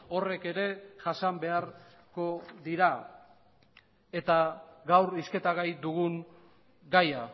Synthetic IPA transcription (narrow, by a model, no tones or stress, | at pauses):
o̞re̞ke̞ɾe̞ʝasambe̞aɾ | ko̞ðiɾa | e̞t̪aɣawɾiske̞t̪aɣajd̪uɣ̞uŋ | ɡaja